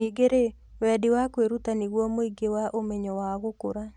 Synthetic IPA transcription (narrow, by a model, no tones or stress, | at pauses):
iɡeɾe | wɛdiwakweɾutaniɣwɔmoiɡewaʔomeɲɔwaɣokoɾa